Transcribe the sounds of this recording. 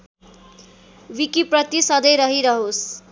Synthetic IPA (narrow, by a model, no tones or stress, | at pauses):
wikiprʌt̪isʌd̪ʌjɾʌɦiɾʌɦos